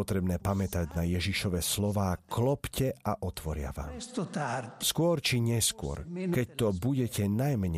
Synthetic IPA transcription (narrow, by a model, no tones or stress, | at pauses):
ɔt̪ɾɛbnɛːpamɛt̪aɟnajɛʒiʃɔʋɛːslɔʋaːklɔpcɛaʔɔt̪ʋɔɾɪa̰ʋa̰ːmt̪t̪skʊɔɾt͡ʃiɲɛskʊɔ̰ɾkɛc̚t̪ɔbuɟɛcɛnajmɲɛ